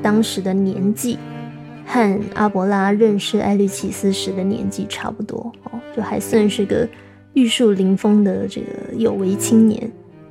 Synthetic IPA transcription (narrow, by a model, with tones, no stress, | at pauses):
t̪ɑ˥ŋʂɻ̩˧˥d̪ə˧njɛ˧˥nt͡ɕi˥˩ | xa˥˩na̰˥pwɔ˧˥la˥ɻə˥˧nʂɻ̩˥˩ʔa̰˧˥ɪly˥˩t͡ɕʰi˥˩sɹ̩˥ʂɻ̩˧˥d̪ə˨njɛ̰˧˥nt͡ɕi˥˩ʈ͡ʂʰa̰˥pu˥˩t̪wɔ̰˥ɑ̰˥˩t͡ɕjo˥˩ʊxa˧˥ɪswa˥˧nʂɻ̩˥˩ɡə̰˩ | y˥˧ʂu˥˩li˧˥ŋfɤ˥ŋd̪ə˨ʈ͡ʂɤ̰˥˩ɡə̰˩jo˨˩ʊwe˧˥ɪt͡ɕʰi˥ŋnjɛ̰˧˥n